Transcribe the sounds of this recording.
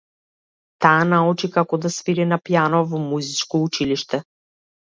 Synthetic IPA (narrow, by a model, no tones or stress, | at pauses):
t̪aːnaut͡ʃikakɔd̪asviɾinapjanɔvavɔmuzit͡ʃkɔut͡ʃiliʃt̪ɛ